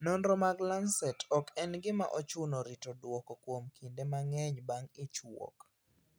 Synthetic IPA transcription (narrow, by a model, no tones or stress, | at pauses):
nɔnɾɔmaɡlansɛtɔkɛnɡɪma̰ʔɔt͡ʃʊnɔɾitodwɔkɔkwomkʰindemaŋɛɲbaŋɪt͡ʃwo̰k